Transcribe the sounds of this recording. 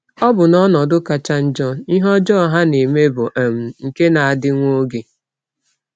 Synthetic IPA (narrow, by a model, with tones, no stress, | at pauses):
ɔ˦bʊ˨nɔ˦nɔ˨dʊ˦ka˨t͡ʃa˦n̩˦d͡ʒɔ˦i˦ɦɔ˦d͡ʒɔ˦ɦa˦ne˨me˦bʊ˨ʔe˨m̩˨ŋ̩˨ke˦na˨a˨dɪ˦ŋʷo˦ɡe˨